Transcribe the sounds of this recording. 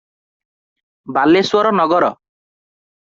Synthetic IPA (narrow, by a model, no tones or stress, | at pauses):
baleswɔɾɔnɔɡɔɾɔ